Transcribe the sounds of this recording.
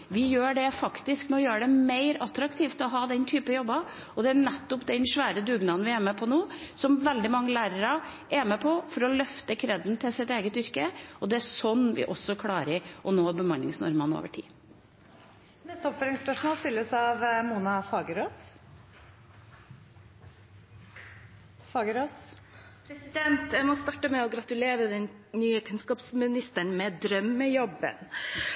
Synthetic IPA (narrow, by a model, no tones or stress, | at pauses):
ʋɪjøːɖɛfɑkt̪ɪskmɛɔjøːɾəɖɛmeɪɾɑt̪ɾɑkt̪ʰiːft̪ɔɦɑːd̪ɛnt̪ʰyːpəjɔbːɑ | ɔd̪ɛænɛt̪ːʊpd̪ɛnʂʋæːɾəd̪ʉːɡnɑnʋɪæːmɛpʰɔnoːsɔmʋɛld̪ɪmɑŋːəlæːɾəɾɑʔɛmɛpʰɔfɔɾɔlœft̪əkʰɾɛd̪nt̪ʰɪlsɪt̪eːɡət̪ʏɾkəʔɔd̪ɛæsɔnːʋɪ̰ʔɔsɔkʰlɑːɾɪʔɔnoːbəmɑnlɪ̰ŋsnɔ̰ɾmɑno̰ːʋəʈʰḭː | nɛst̪əɔpfœɾɪŋspœʂmoːlspɪlːəsɑʋmuːnɑfɑːɡəɾoːs | fɑːɡəɾoːspʰɾɛsɪd̪ɛnt̪jæmɔst̪ɑːʈəmɛɔɡɾɑt̪ʉleːɾəd̪ɛnnyːəkʰʉnskɑːpsmɪnɪst̪əɳmɛd̪ɾœmːəjɔbə̰n